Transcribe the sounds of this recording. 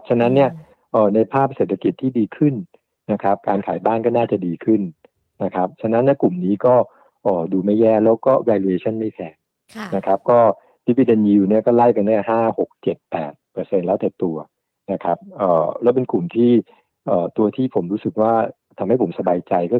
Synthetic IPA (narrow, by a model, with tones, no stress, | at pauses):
p̚t͡ɕʰa˧na˦˥nːi˥˩ɐ | ʔəː˨˩na˧jpʰaː˥˩p̚se˨˩t̪ʰːa˧ki˨˩t̪ʰːiː˥˩diː˧kʰɯ˥˩n | na˦˥kʰa˦˥p̚kaː˧nkʰaː˩˦jbaː˥˩nkɔː˥˩naː˥˩t͡ɕa˨˩diː˧kʰɯ˥˩n | na˦˥kʰa˦˥p̚t͡ɕʰa˧na˧˦˥nːi˥˩ku˨˩mniː˦˥kɔː˥˩ | ʔɔː˨˩duː˧ma˥˩jːɛː˥˩lɛː˦˥wkɔː˥˩waː˧li˧eː˧t͡ɕʰɔ˥˩nma˥˩jp̪ʰɛː˧˩ | na˦˥kʰa˦˥p̚kɔː˥˩ | di˦˥wi˦˧˩de˧nji˧wni˥˩ɐkɔː˥˩la˥˩jka˧nda˥˩ɦaː˥˩ho˨˩k̚t͡ɕe˨˩t̪̚pɛ̰ː˨˩t̪̚pɤː˧se˧nlɛː˦˥wt̪ɛː˨˩t̪u˧ɐ | na˦˥kʰa˦˥p̚ʔəː˨˩lɛː˦˥wp̬e˧nklu˨˩mt̪ʰiː˥˩ | ʔəː˨˩t̪u˧ɐt̪ʰiː˥˩pʰo˩˦mɾuː˦˥sɯ˨˩k̚waː˥˩ | t̪ʰa˧mha˥˩jpʰo˩˦msa˧baː˧jt͡ɕa˧jkɔː˥˩